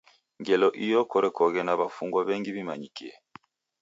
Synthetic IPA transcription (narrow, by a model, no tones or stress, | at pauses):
ŋɡɛlɔʔijɔkɔɾɛkɔɣɛnaβafuŋɡwaβɛŋɡiβimaɲikiɛ